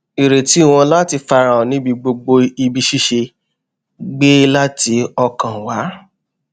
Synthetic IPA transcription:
i˨ɾe˨ti˨˦˨w̃ɔ̃˧la˦ti˧fa˧ɾã˨ɔ̃˨nĩ˦bi˧ɡ͡bo˧ɡ͡bo˧i˧bi˧ʃi˦ʃe˧ | ɡ͡be˦la˦ti˧ɔ˧kã˨wa˨˦

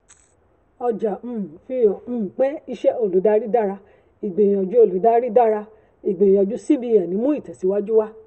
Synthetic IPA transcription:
ɔ˧d͡ʒa˨m̩˦˨fi˧˦jɔ˨m̩̃ː˦˨k͡pɛ˦i˧ʃɛ˦o˦˨lu˨˦da˦ɾi˦da˦ɾa˧ | i˨ɡ͡bẽ˨jĩ˨ɔ˨d͡ʒu˦o˦˨lu˨˦da˦ɾi˦da˦ɾa˧ | i˨ɡ͡be˨jĩ˨ɔ˧d͡ʒu˦si˦bi˧ja˨nĩ˨˦mũ˦i˦˨tɛ˨si˨˦wa˦d͡ʒu˦wa˦

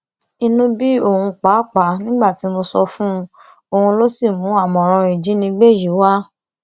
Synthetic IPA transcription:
i˧nũ˦bi˦o˦˨hũ˧k͡pa˨˦˨k͡pa˨˦nĩ˦ɡ͡ba˦˨ti˨˦mo˧sɔ˧fũ˦ | o˧˨hũ˧lo˦si˦˨mũ˨˦a˦˨mɔ̃˨ɾ̃ɔ̃˧i˨d͡ʒi˨˦nĩ˧ɡ͡be˦˨ji˨˦wa˦

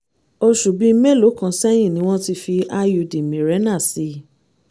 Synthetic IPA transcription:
o˧ʃu˨bi˨˦me˦˨lo˨˦kã˨˧sɛ˦j̃ĩ˦˨nĩ˨˦w̃ɔ̃˦ti˧fi˧a˧ju˨˧di˨mĩ˨ɾɛ˨˦nã˦˨si˨˧˦

